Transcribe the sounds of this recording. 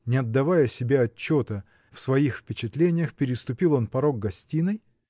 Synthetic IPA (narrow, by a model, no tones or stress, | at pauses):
nʲɪɐd̪ːɐvajəsʲɪbʲaɐt͡ɕːot̪ə | fsvɐixfpʲɪt͡ɕɪt̪lʲenʲɪjəxpʲɪɾʲɪst̪ʊpʲilˠo̞npɐɾo̞ɡ̚ɡɐsʲtʲinɨj